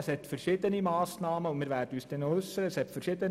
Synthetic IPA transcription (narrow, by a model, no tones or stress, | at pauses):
əshɛt̪fəɾʃɪːd̪ənimɑːsnɑːməʊnmɪːɾʋæːɾdəyːsd̥ɛnoʏsːəɾəəshɛtfəɾʃɪːd̪ən